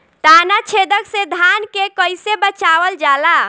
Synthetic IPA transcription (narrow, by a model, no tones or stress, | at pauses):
ʈ̪anat͡ʃʰed̪əksẽd̪ʱankekəjsebət͡ʃaʋəld͡ʒala